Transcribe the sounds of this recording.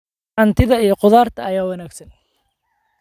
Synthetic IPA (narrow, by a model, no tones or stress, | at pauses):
ɐnt̪ʰɪðɐijɞqʊðaːrt̪ʰɐːjaːwɐnæːɡsɐn